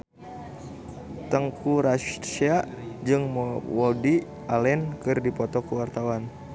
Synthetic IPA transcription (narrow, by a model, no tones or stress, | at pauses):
t̪əŋkuɾat͡ʃiad͡ʒɨŋmwɔdi | alɛnkɨrdipɔt̪ɔkuwart̪awan